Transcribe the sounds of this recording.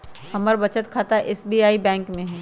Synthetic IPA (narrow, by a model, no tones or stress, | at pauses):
hɐməɾbɐt͡ʃət̪kʰaːt̪aʔɛsbiːaːibɛ̃ːŋkmẽɦɛ̃ː